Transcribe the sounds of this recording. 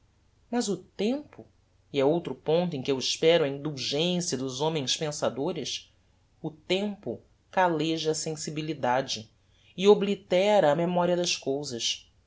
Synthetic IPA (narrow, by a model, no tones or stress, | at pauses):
mɐzʊt̪ẽmpʊ | iɛowt̪ɾʊpõnt̪̬ʊẽkɪewɪʃpɛɾʊɐĩnd̪uwʒẽsijɐd̪ʊzõmẽj̃spẽsad̪oɾɪs | ʊt̪ẽmpʊ̰ | kaleʒɐsẽsibilid̪ad͡ʒɪ | ɪoblit̪ɛɾɐːmemɔɾiɐd̪ɐskowzɐʃ